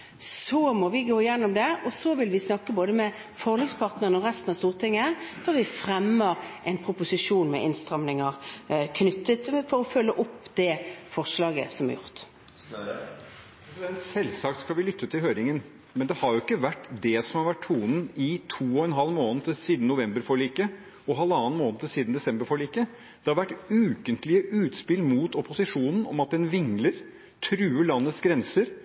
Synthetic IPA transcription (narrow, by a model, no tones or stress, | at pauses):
sɔmɔʋɪɡoːɪjɛnːɔmd̪ɛɔsɔʋɪlʋɪsnɑkːəboːd̪əmɛ | fɔʁlɛɡspʰɑʁt̪nəʁənɔʁɛst̪n̩ɑst̪uːʁt̪ʰɪŋːəfɔɾʋɪfɾɛmːəʁʔɛɪnpʰʁʊpʊsɪʂuːnmɛ̰ʔɪnst̪ʁɑmnɪŋəʁkʰnʏt̪ːət̪fɔɾɔfœlːəʔɔpːd̪ɛfɔʁʂlɑːɡə̰sɔmæ̰ʁjʊ̰ʁt̪ | pʰɾɛsɪd̪ɛnt̪sɛlsɑːkt̪skɑlʋɪlʏt̪ʰːət̪ʰɪlɦøːɾɪŋən | mɛnd̪ɛhɑɾjʊɪkːəʋæʈːd̪ɛsɔmhɑɾʋæʈʰːuːnn̩ɪt̪ʰuːɔɛnɦɑlːmoːnt̪ʰɪsiːd̪n̩nʊʋɛmbəɾfɔɭiːkə | ɔɦɑlɑːnmoːnət̪ʰɪlsiːd̪n̩d̪ɛsɛmbəɾfɔɭiːkə | d̪̥ɛhɑɾʋæʈːʉːkənt̪lɪəʔʉːt̪spɪlmut̪ɔpʊsɪʂuːnn̩ɔ̰mɑt̪̚d̪ɛnʋɪŋləɾ | t̪ʰɾʉːəɭɑnːət̪sɡɾɛnsəɾ